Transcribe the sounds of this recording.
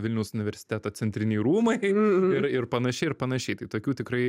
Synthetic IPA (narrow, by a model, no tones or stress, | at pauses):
ʋʲɪlʲnʲɛʊsʊnʲɪʋʲɛɾʲsʲɪ̥t̪ʲæːt̪oːt͡s̪ʲɛnʲt̪ʲɾʲɪnʲɛɪjɾuːmɐɪɪɾɪrpɐnɐʃʲɛɪɪrpɐnɐʃʲɛɪt̪ɐɪt̪oːkʲuːt̪ʲɪkɾɐɪ